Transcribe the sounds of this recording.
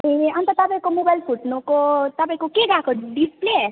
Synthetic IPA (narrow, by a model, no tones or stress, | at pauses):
iʌnt̪ʌt̪ʌpaĩkomobajlpʰuʈnokot̪ʌpaĩkokeɡakʰoɖisple